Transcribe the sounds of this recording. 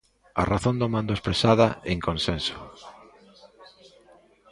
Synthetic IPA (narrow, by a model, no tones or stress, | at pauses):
a̰raθõnd̪omãnd̪oespɾesaðaeŋkõnsenso̥